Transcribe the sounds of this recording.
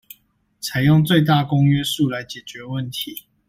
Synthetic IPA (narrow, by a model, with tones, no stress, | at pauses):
t͡sʰa˨˦ɪjɔ˥˨ŋt͡swe˥˨ɪt̪̬a˥˨kʊ˦ŋɥɛ˦su˥˨la˨˦ɪt͡ɕjɛ˨˩t͡ɕɥɛ˨˦wə˥˨nt̪ʰi˨˦